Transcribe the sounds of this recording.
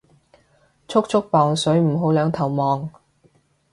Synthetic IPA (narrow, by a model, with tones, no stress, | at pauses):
t͡ʃʰʊ˥k̚t͡ʃʰʊ˥k̚pɔː˨ŋsɵ˨˥ɥm̩˨˩ɦo˨˥wlœː˨˧ŋt̪ʰɐ˨˩wmɔː˨ŋ